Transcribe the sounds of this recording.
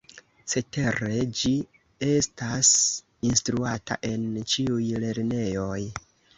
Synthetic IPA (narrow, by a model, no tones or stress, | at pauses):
se̞te̞ɾe̞d͡ʒi | e̞stas | instɾuata̰ʔe̞nt͡ʃiujle̞ɾne̞jo̞j